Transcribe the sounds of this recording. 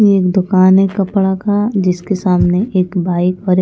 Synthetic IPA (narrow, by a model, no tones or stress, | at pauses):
eeːkd̪ʊkaːnɦɛkɐpɽakʰad͡ʒɪskesaːmneʔeːkbaːɪkɔːɾ